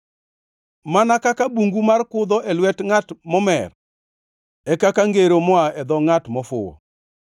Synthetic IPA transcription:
manakakabuŋɡumarkʊd̪ɔʔɛlwɛtŋatmɔmɛ̰r | ɛkakaŋɡeɾomɔaɛd̪ɔŋatmɔfʊ̰ɔ̰

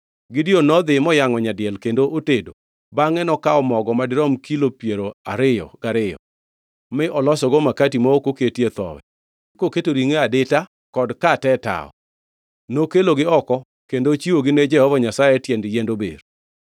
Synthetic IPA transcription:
ɡɪdionɔd̪ɪmɔjaŋɔɲadɪɛlkendoʔotedo | baŋɛnɔkaɔmɔɡɔmadɪɾɔmkilopjeɾoa̰ɾɪjɔ̰ɡ̥aɾɪjɔ̰ | mɪʔɔlɔsɔɡomakatimaokoketjet̪ɔ̰wɛ̰ | koketoɾiŋeadɪta | kɔdkatɛta̰ɔ̰ | nokeloɡɪɔkɔ | kendot͡ʃiwoɡɪned͡ʒɛhɔvɔɲasajɛtjendjendobḛɾ

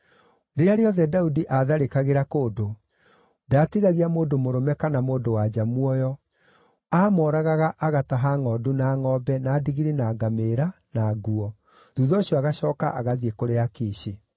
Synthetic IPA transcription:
deɾeaɾeɔðɛdaudiʔaðaɾekaɣeɾakoːdo | daːtiɣaɣiamoːndomoɾomɛkanamoːndowad͡ʑamwɔjɔ | aːmɔɾaɣaɣaʔaɣataɦaŋɔdunaŋɔbɛnaːdiɣiɾenaɡameɾanaɡuɔ | ðuðɔɕiɔaɣaɕɔːkaʔaɣaðiekoɾeakeːɕe

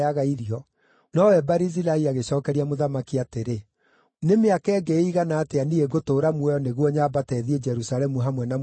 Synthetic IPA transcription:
aɣaiɾiɔ | nɔwɛbaɾizilaiaɣeɕɔːkɛɾiamoðamakiateɾe | nemeakɛːɡeiɣanaːteanieɡotoːɾamwɛɔneɣwɔɲabatɛðied͡ʒɛɾusalɛmuɦamwɛna

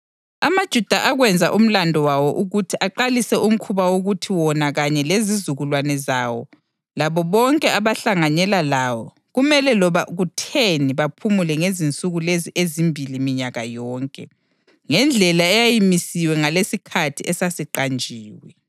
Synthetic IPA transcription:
amad̥ʒ̥ʱud̥ʱaʔaɣwɛnd͡zʱaʔum̩landʱɔwawɔʔuɣutʰiʔaǃalisɛʔum̩kʰuβawoɣutʰiwɔnaɣaɲɛlezizuɣulwanɛzawɔ̰ | laβɔβɔŋkʼɛaβaɬaŋaɲɛlalawɔ | ɣumɛlɛlɔβaɣutʰeniβapʰumulɛŋezint͡sʼuɣuleziʔezimbʱilimiɲaɣajɔːŋkʼɛ | ŋɛnd͡ɮʱɛlaɛjajimisiwɛŋalesikʰatʰiɛsasiǃand͡ʒʱiːwɛ

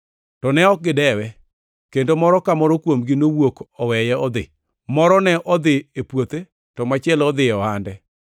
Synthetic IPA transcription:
tɔnɛɔk̚ɡɪdɛwɛ | kendomɔɾɔkamɔɾɔkwomɡinowokɔwɛjɛɔd̪ɪ̰ | mɔɾɔnɛʔɔd̪ɪepwot̪e | tɔmat͡ʃɪɛlɔd̪ɪɔhandɛ

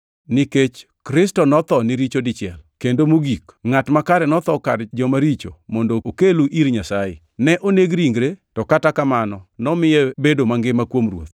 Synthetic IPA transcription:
niket͡ʃ | kɾɪstɔnɔt̪ɔnɪɾit͡ʃodɪt͡ʃɪɛ̰lkendomoɡikŋatmakaɾɛnɔt̪ɔkard͡ʒɔmaɾit͡ʃo̰mɔndookeluʔiɾɲasajḛ | nɛʔoneɡɾiŋɡɾetɔkatakamanɔnɔmɪjɛbedomaŋɡɪmakwomrwo̰t̪̚

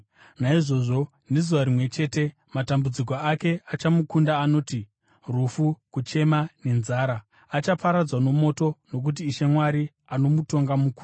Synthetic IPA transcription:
naiʐo̞ʐo̞ | nizuʋaɾimwe̞t͡ʃe̞ːte̞ | matambud͡zik̬oake̞at͡ʃamukundaːno̞ːti | rufukut͡ʃe̞mane̞nzaːɾaː | t͡ʃapaɾad͡zwano̞mo̞to̞no̞k̬ut̬iːʃe̞mwaɾi | ano̞muto̞ŋɡamuku

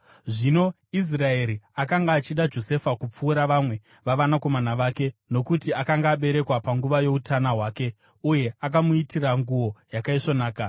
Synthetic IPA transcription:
ʐino̞ | is̬rae̞ɾiakaŋɡaːt͡ʃiɗad͡ʒo̞se̞fakup͡fuːɾaʋamwe̞ | ʋaʋanako̞manaʋaːke̞no̞kutiakaŋɡaːɓe̞ɾe̞kwapaŋɡuʋajo̞utanaɦwaːke̞ | uje̞ak̬amuitiraŋɡuwo̞jakaiʂonaːka

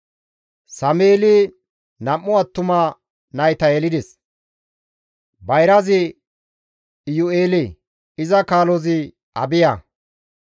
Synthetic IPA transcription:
sɐmeːlɪ | nɐmːʊɐt̪ːʊmɐ | nɐjt̪ɐjɛlɪd̪ɛs | bɐjɾɐzɪ | jʊeːlɪ | ɪzɐkaːlɔzɪ | ɐ̰bɪjɐ

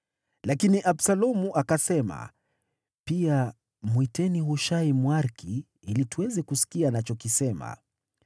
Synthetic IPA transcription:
lakiniʔabsalɔmuʔakasɛma̰ | pia | mwitɛnihuʃaimwaɾki | ilituwɛzɛkusi̥kianat͡ʃɔkisɛma̰

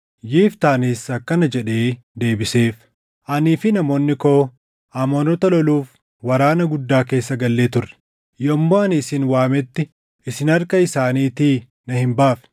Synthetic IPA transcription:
jiːft̪aːnisɐkːɐnɐd͡ʒɛᶑe̞ː | d̪e̞ːbɪse̞ːf | ʔɐniːfɪnɐmo̞ːnːɪko̞ː | ʔaːmoːnɔt̪ɐlɔluːf | wɐɾaːnɐɡʊd̪ːaːke̞ːsːɐɡɐlːe̞ːt̪ʊrːɛ̥ | jɔmːoːɐnɪsɪnwaːmɛt̪ːɪ | ɪsɪnɐɾkɐɪsaːniːt̪iː | nɐhɪmbaːfɛ̥

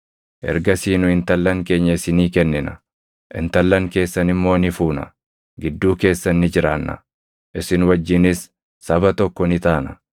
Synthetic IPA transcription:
ʔɛ̰ɾɡɐsiːnʊɪnt̪ɐlːɐŋke̞ːɲːɐɪsɪniːkɛnːɪnɐ | ʔɪ̰nt̪ɐlːɐŋke̞ːsːɐnɪmːo̞ːnɪfuːnɐ̰ | ɡɪd̪ːuːke̞ːsːɐnːɪd͡ʒɪɾaːnːɐ̰ | ʔɪsɪnwɐd͡ʒːɪnɪsː | ɐbɐt̪ɔkːɔnɪt̪aːnɐ

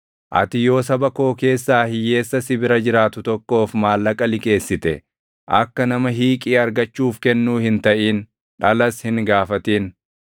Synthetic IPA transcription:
ʔɐ̰t̪ɪjo̞ːs̬ɐbɐko̞ːke̞ːsːaːhɪjːe̞ːsːɐsɪbɪɾɐd͡ʒɪɾaːt̪ʊt̪ɔkːo̞ːfmaːlːɐkʼɐlɪkʼe̞ːsːɪt̪ɛ | ʔɐ̰kːɐnɐmɐɦiːkʼiːɐɾɡɐt͡ʃːuːfkɛnːuːhɪnt̪ɐʔiːn | ᶑɐlɐshɪŋɡaːfɐt̪iːn

